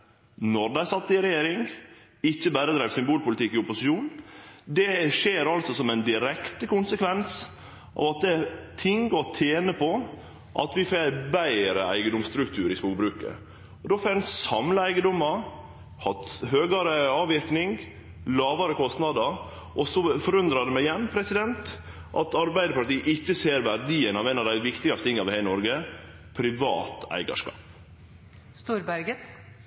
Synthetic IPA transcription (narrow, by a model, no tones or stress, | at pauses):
nɔɾd̪æɪsɑt̪ːəɪɾɛjeːɾɪŋ | ɪçːəbæːɾəd̪ɾæɪʋsʏmbuːlpʊlɪt̪ɪkːɪʊpʊsɪʃuːnd̪ɛʃeːɾɑlsɔsɔmænd̪ɪɾɛkt̪əkʊnsəkʋɛns | ʔɑ̰ːʋɑt̪̚d̪ɛt̪ʰɪŋɡɔt̪ʰeːnəpɔ | ʔɑ̰t̪ʋɪfebæɪɾəæ̰ɪɡənd̪ʊmst̪ɾʉk̚t̪ʰʉːɾɪspuːkbɾʉːkə̰ | ɔd̪oːfɛnsɑmləæɪɡəd̪ʊmɑɾ | hɑt̪ɦøːɡɑɾəɑːʋɪɾknɪŋɡ | lɑːʋɑɾəkʰɔst̪nɑd̪əɾ | ʔɔsɔfɔɾʉnd̪ɾɑd̪əmæɪjɛnːpʰɾɛsɪd̪ɛnt̪ | ʔɑ̰t̪ɑɾbæɪd̪əpɑɾʈiːəʔɪçːəseːɾʋæɾɖ̪iːənɑʋenɑʋd̪æɪʋɪkt̪ɪɡɑst̪ʰɪŋːɑʋɪhæɪnɔɾɡə | pʰɾɪʋɑ̰ːt̪æ̰ɪɡɑ̰ʂkɑ̰ːp | st̪uːɾbæɾɡət